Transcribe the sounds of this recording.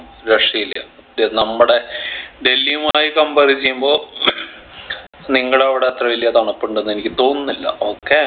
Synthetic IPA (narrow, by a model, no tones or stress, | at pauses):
ɾeʂijiljɐ̰ | denɐmːɐɽe̞ɖe̞lːijumaːjikɐmbɐrit͡ɕːejumbo̞ː | niŋːɐɽɐʋiɽeːt̪rɐʋilːijɐt̪aːɳɐpːoɳɖenːenikʲːɨt̪o̞ːnːɐlːɐ̰oːkːe